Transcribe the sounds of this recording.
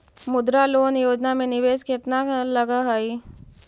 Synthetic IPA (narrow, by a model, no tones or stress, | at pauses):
mʊd̪ɾaloːnjoːd͡ʒnamẽnɪʋeːsket̪nalɐɡaɦaːiː